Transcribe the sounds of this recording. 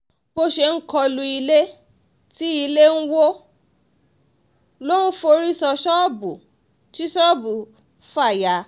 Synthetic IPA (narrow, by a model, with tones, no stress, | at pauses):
bo˧ʃe˧ŋ̩˦kɔ˧lũ˧i˧le˦ | ti˦i˧le˦n̩˦wo˦ | lo˦n̩˦fo˧ɾi˦sɔ˧ʃɔ˦bu˨ | ti˦ʃɔ˦bu˨ | fa˦˨ja˨˦